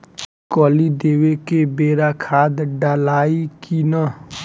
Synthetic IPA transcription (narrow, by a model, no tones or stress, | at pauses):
kɔːlid̪eːwekebeːɾakʰaːd̪ɖalaːikinə